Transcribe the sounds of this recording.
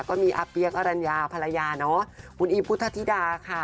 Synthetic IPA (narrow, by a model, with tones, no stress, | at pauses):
kɔː˥˩miː˧ʔaː˧pi˧˥əka˧ɾa˧njaː˧pʰa˧la˧jaː˧nɔ˦˥kʰu˧nʔiː˧pʰu˦˥t̪ʰa˧t̪ʰi˦˥daː˧kʰa˥˩